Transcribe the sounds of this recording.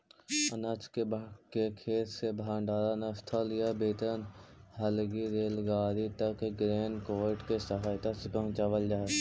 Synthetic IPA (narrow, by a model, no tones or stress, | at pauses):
ənət͡ʃkebkekʰeːt̪sebʱãːɳɖaːɾanest̪ʰəljabeːt̪ənɦəlɡiɾeːlɡaːɾit̪əkɡɾeːnkoːʈkesəɦaːjt̪asepə̃ɦʊ̃t͡ʃaːʋəld͡ʒaː